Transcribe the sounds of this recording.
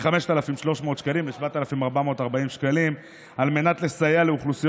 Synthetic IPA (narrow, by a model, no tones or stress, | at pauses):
χame̞ʃt̪alafimʃlo̞ʃmo̞ːt̪ʃkalimbeʃvat̪alafimaʁbamo̞ːt̪aʁbaimʃkalim | alme̞nat̪le̞sajeale̞uχlusij